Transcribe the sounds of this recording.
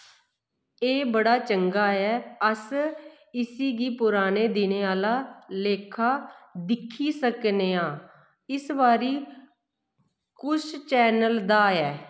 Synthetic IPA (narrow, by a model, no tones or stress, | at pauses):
eːbəɽaːt͡ʃəŋɡaːɛːəs | ɪsiːɡiːpʊɾaːneːd̪ɪneːaːlaːleːkʰaːd̪ɪkʰːiːsəkneːãː | ɪsbaːɾiː | kʊʃt͡ʃɛːnəld̪aːɛː